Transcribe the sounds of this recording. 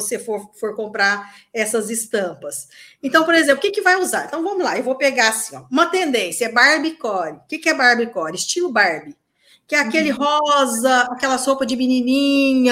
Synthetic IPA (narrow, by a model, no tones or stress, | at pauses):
osefoɾfoɾkõmpɾaɾ | ɛsɐzɪst̪ɐ̃pɐsẽnt̪ɐ̃w̃poɾezẽplʊkɪkɪvajuzaɾẽnt̪ɐ̃w̃vɐ̃mʊzlaewvowpeɡaasĩ̥ɔ̰̃ũmɐt̪ẽnd̪ẽsjɐɛbaɾbikɔɾɪkɪkɪɛbaɾbikɔɾɪst͡ʃilʊbaɾbɪ | kɪɛakelɪɦɔzɐakɛlɐsopɐd͡ʒɪminĩnĩɲɐ